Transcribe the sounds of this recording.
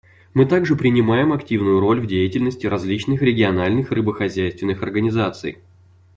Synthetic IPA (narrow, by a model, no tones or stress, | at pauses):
mɨt̪aɡʐɨpɾʲɪnʲɪmajɪmɐktʲivnʊjʊɾo̞lʲvdʲejɪtʲɪlʲnəsʲtʲɪɾɐzʲlʲit͡ɕnɨxɾʲɪɡʲɪɐnalʲnɨxrɨbəxɐzʲæjst̪vʲɪnːɨxɐrɡənʲɪzat̪sɨ̰j